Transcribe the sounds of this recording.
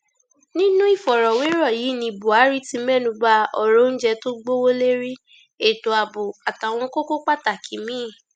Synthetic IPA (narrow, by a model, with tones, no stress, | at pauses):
nĩ˦nũ˦i˦˨fɔ˨ɾɔ˨we˨˦ɾɔ˦˨ji˨˦˨nĩ˧˨bo˨a˨˦ɾi˦tĩ˧˦bɛ˦˨nũ˧ba˦ɔ˧˨ɾo˦n̩˦d͡ʒɛ˧to˦ɡ͡bo˦wo˦le˦ɾi˦ | e˦˨to˨a˨bo˨a˨ta˨w̃ɔ̃˧˦ko˦ko˦k͡pa˦˨ta˨kʰi˨mĩː˦˨